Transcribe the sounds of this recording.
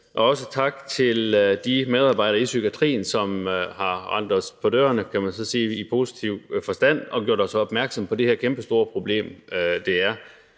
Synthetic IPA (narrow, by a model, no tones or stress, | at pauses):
ʔɒ̽ɒ̽sət͡sʰɑ̈ɡ̥t͡sʰe̝ld̥imeðˠɑ̈ːb̥ɑ̈ɪ̰ɾ̥ɐisyɡ̥iæt͡sʰʁḭːnsɒ̽mɦɑ̈ʁɑn̰d̥ʁɐspʰɒ̽d̥ø̰ːɐnəkʰæmænsɒ̽se̝̰ːipʰo̝si̥t͡sʰiʊ̰fɒ̽sd̥æn̰ɒ̽ɡ̥jo̝ɐd̥ɒsɒɒ̽b̥mæɐɡ̥sɒ̽mpʰɒ̽d̥e̝heɐkʰemb̥əsd̥o̝ːɐpʰʁo̝b̥le̝̰ːmd̥e̝æɐ